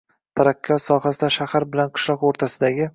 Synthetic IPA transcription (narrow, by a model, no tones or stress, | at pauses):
t̪ʰaɾakʲʰːɒsɒɦasɪd̪aʃahaɾbɪlanqʰɨ̥ʃlˠɒqoɾt̪ʰasɪd̪aɡʲɪ